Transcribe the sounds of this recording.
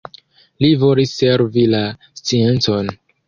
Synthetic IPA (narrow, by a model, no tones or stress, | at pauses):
livolise̞ɾvilast͡sie̞nt͡so̞n